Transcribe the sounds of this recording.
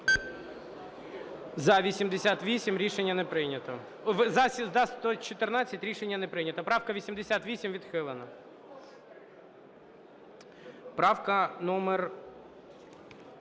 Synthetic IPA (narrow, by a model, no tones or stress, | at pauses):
zɐʋʲisʲimd̪esʲat̪ʋʲisʲimɾʲiʃenʲːɐnɛpɾɪnʲɐt̪ɐ | ʋzɐsʲzd̪ɑst̪ɔt͡ʃɪt̪ɪrnat͡sʲːɐtʲɾʲiʃenʲːɐnɛpɾɪnʲɐt̪ɐpɾɑwkɐʋʲisʲimd̪ɪsʲat̪ʋʲisʲimʋʲid̪xɪlˠenɐ | pɾɑwkɐnɔmɛr